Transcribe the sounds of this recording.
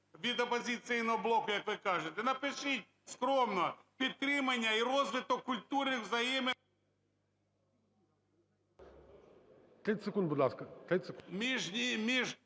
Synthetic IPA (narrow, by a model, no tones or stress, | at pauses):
ʋʲid̪ɐpɔzʲɪt̪sɪjnɔɦɔblˠɔkʊjɐkʋɪkɑʒet̪ɛnɐpɪʃɪtʲ | skɾɔmnɔpʲid̪̚t̪ːɾɪmɐnʲːɐiɾɔzʋɪt̪ɔkːʊlʲt̪uɾɪwzɐjimɪ | t̪ɾɪsekund̪bʊd̪lˠaskɐt̪ɾɪt̪ʲsmʲiʒʲimʲiʒ